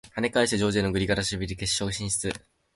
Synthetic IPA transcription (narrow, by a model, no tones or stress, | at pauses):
hane̞kaiɕɯd͡ʑo̞ːd͡ʑenoɡɯ̟ɾʲiɡaɾaɕibʲiɾʲike̞ɕːoɯɕĩɕi̥t͡sɨ